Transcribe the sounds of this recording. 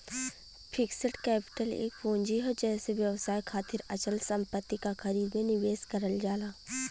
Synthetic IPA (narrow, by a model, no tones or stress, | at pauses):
pʰɪksəʈkɛːpɪ̥ʈəlḛːkfõːnd͡ʒiɦɛd͡ʒɛːseʋjɐʋsaːjkʰaːt̪ɪɾɐt͡ʃəlsə̃mpət̪ːikaxɐɾiːd̪mẽnɪʋeːskɐɾəld͡ʒaːlaː